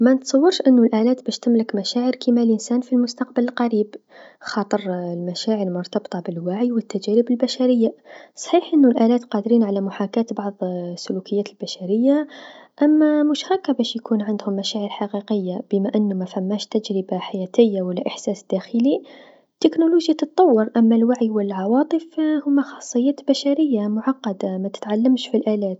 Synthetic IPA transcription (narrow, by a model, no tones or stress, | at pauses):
mænət̪sˤɑwːɑɾˤʃʔənːʊlʔælæːt̪bæʃt̪əmːləkmæʃæːʕəɾkimælʔənsænfilmʊst̪ɑqbələlqɑɾib | xɑːt̪ˤəɾlmæʃæʕəɾlmʊɾt̪ɑbt̪ˤɑbəlwaʕjwət̪ːæd͡ʒæɾəbəlbæʃæɾəjːasˤħiːħʔənːʊlʔælæːt̪qɑd̪ɾiːnʕalæmʊħakæt̪bɑʕðˤsːʊlukəjːæt̪əlbæʃæɾəjːaʔæmːæmʊʃhækːæbæʃjkunʕand̪hʊmːæʃæːʕəɾħɑqiqəjːab̥əmaʔənːʊmæfæmːæʃt̪æd͡ʒɾəbaħajæt̪əjːawælːæʔəħsæːsd̪̥æxəli | t̪ːɪknuluʒjat̪ɨt̪ˤːɑwːəɾʔæmːælwaʕijwəlːʕɑwɑt̪ˤəfhʊmːæxɑ̥sˤːəjːæːt̪bæʃaɾəjːamʊʕɑqːɑd̪amæt̪ə̥t̪ʕalːəmʃfilʔælæːt̪